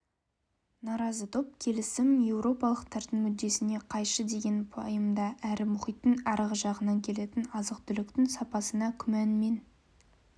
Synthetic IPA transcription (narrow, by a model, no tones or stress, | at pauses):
nɑɾɑzət̪ʰo̞p̚kʲʰe̞lɪsɪmje̞wɾo̞pɑlˠəqt̪ʰɑɾt̪əɴmʏd̪ːe̞sɪne̞qʰɑjʃəd̪e̞ɡʲe̞npʰo̰jəmd̪ɑʔæɾɪmʊχijt̪ːəŋɑɾəʁəʒɑʁənɑŋkʲʰe̞le̞t̪ɪnɑzəqt̪ʰʏlɪkt̪ɪŋsɑpɑsənɑkʲʰʏmænme̞n